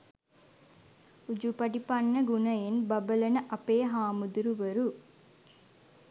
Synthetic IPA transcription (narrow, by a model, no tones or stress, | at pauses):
ud͡ʒupɐɖipɐnːɐɡunɐjenbɐbɐlɐnɐʔɐpeːɦaːmud̪uɾuʋɐɾu